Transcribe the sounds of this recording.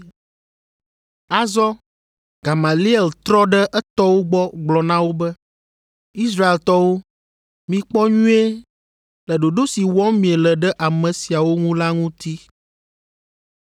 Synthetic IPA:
a˨zɔ˦ | ɡ̥a˨ma˨li˦ɛ˨lt̪ɾɔ˦ɖɛ˦ʔɛ˦t̪ɔ˦wo˦ɡ͡bɔ˦ɡ͡blɔ˨nã˦wo˦bɛ˦ | i˦s̬ɾa˦e˨lt̪ɔ˦wo˦ | mĩ˨k͡pɔ˦ɲũ˦e˦ | lɛ˨ɖo˨ɖo˦si˨wɔ̃˦mĩ˨e˨lɛ˨ɖɛ˦ʔa˨mɛ̃˨si˨a˨wo˦ŋũ˦la˦ŋũ˦t̪i˦

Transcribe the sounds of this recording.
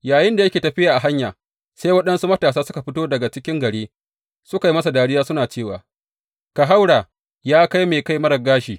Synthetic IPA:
jaː˨jɪ˦nda˨jɐ˦kʲeː˨tɐ˨ɸɪ˦jaː˨ʔa˨ɦa˦ɲjaː˨ | sa˦jwɐ˦ɗɐ˦nsu˦mɐ˦taː˨saː˦sʊ˦ka˨ɸɪ˦toː˦dɐ˨ɡa˨t͡ʃɪ˦kʲɪ˦ŋɡɐ˨ɽeː˦ | sʊ˦ka˨ji˦mɐ˦s̬a˨daː˦ɽɪ˦jaː˦sʊ˦naː˨t͡ʃeː˦˨wa̰ː˨ | ka˨ɦa˦wɽaː˨ | jaː˦ka˦jmeː˨ka˦jmɐ˦ɾɐ˨ɡaː˦ʃiː˨

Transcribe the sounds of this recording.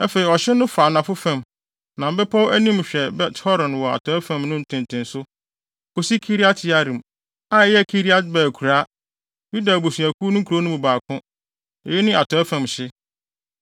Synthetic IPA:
æ˦fe˨i˨ɔ˨ɕɪ˦nʊ̃˦fa˨nã˨fʊ˦fã˦˨m | nã˨m̩˦bɛ˦pʰɔ˦wæ˦nĩ˦mɕᶣɛ˨bɛ˦thɔ˦ɾɔ̃˨n˨wɔ˨a̰˨tʰɔ˨˦æ˦fã˨mnʊ̃˦n̩˨tʰɪ̃˨n˨tʰɪ̃˨nsʊ˦ | kʰo˨si˦kʰi˦ɾi˦a˦tʰɪ˨a˦ɾĩ˨m | a˦˨jɛ˦˨kʰi˦ɾi˦a˦tbæː˨kʰu˨ɾa˦ | ju˦da˨bo˨su˨æ˨kʰuː˦nʊ̃˦ŋ˦kʰu˨ɾo˦nʊ̃˦bu˨baː˨kʰʊ̃˦ | ɔ̰˨jɛ˦nɪ̃˦a˨tʰɔ˨ɛ˦fã˨mɕɪ˦

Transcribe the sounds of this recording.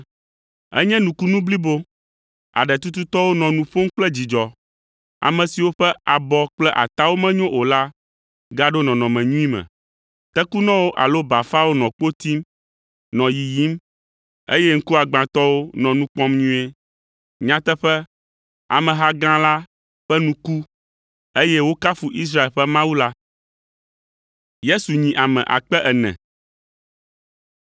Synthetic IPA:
ɛ̰˦ɲɛ̃˦nũ˨ku˦nũ˦bli˦bo˦ | a̰˨ɖɛ˨t̪u˦t̪u˦t̪ɔ˦wo˦nɔ̃˨nũ˨ɸo˦m˦k͡plɛ˦d͡ʑi˨d͡ʒɔ˨ | a̰˨mɛ̃˨si˨wo˦ɸɛ˦a˨bɔ˦k͡plɛ˦ʔa˨t̪a˦wo˦mɛ̃˦ɲõ˦ʔo˨la˦ | ɡa˦ɖo˦nɔ̃˨nɔ̃˨mɛ̃˨ɲũ˦i˦mɛ̰̃˨ | t̪ɛ˦ku˦nɔ̃˦wo˦ʔa˨lo˦ba˨fa˦wo˦nɔ̃˨k͡po˦t̪i˦m | nɔ̃˨ji˨ji˦m | ḛ˦jɛ˦ŋ̩˦ku˦a˨ɡ͡bã˨t̪ɔ˦wo˦nɔ̃˨nũ˦k͡pɔ̃˦mɲũ˦e˦ | ɲã˦t̪ɛ˦ɸɛ˦ | a̰˨mɛ̃˨ɦa˦ɡã˦la˦ | ɸɛ˦nũ˦ku˦ | e˦jɛ˦wo˦ka˦fu˨ʔi˦s̬ɾa˦e˨lɸɛ˦mã˦wu˦la˦ | je˦su˨ɲĩ˨ʔa˨mɛ̰̃˨ʔa̰˨k͡pɛ˦ʔɛ˨nɛ̰̃˨

